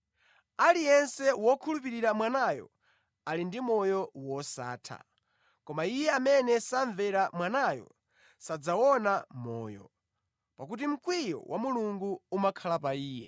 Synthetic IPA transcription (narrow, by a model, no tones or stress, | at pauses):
alijɛnsɛwɔkʰulupiɾiɾamwanajɔ̰ | alindimɔjɔwɔsa̰ːtʰa̰ | kɔmaijɛamɛnɛsaɱvɛɾamwanajɔ̰ | sad͡zawɔnamɔ̰ːjɔ̰ | pakut̬im̩kwijɔ̰wʔamuluŋɡuumakʰalapaiːjɛ̰